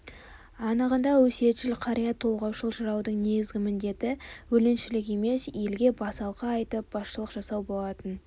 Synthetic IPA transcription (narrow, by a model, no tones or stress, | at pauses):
ɑnəʁənd̪ɑwɵse̞t̪ʃɪlqʰɑɾijɑt̪ʰːo̞lˠʁɑwʃəlˠʒəɾɑwd̪əɴne̞ɡʲɪzɡʲɪmɪnd̪e̞t̪ɪwɵlɪnʃɪlɪke̞me̞sje̞lɡʲe̞bɑsɑlˠqɑːjt̪əp̚b̥ɑsʃəlˠəqʒ̥ɑsɑwbo̞lˠɑt̪ən